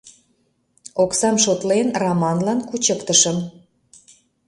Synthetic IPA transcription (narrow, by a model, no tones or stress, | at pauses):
oksɑmʃot̪lenrɑmɑnlɑnkut͡ɕəkt̪əʃə̆m